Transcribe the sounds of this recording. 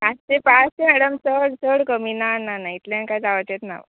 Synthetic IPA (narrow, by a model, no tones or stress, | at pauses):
ast͡ɕepast͡ɕemɛɽəmsəɽt͡səɽkəminanːanait̪laɳkajd͡zaʋət̪jet̪na̰ʋ̰